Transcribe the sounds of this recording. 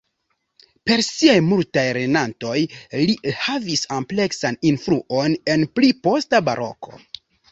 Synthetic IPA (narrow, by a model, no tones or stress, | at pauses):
pe̞ɾsiajmultajɾenanto̞jlihavisample̞ksaninfɾuʔo̞ne̞nplipo̞staba̰ɾʔo̞̰ko̞̰